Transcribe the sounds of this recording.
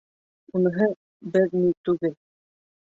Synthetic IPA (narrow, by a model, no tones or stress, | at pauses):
unɤ̆ɦɤ | bɘɾnit̪ʉɡɘl